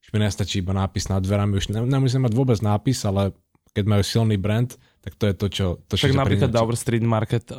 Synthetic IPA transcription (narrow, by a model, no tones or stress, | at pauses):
uʒmiɲɛst̪at͡ʃiːibanaːpiznad̪ʋɛɾamiuʒnɛɲɛmus̬iɛmaɟʋʊɔbɛd͡znaːpisalɛ | kɛɟmajuːsilniːbɾɛnt̪ | t̪ːakt̪ɔjɛt̪ɔt͡ʃɔt̪ɔʃt͡ʃakɡnapɾiklad̪abɾst̪ɾiːd̪maɾkɛt̪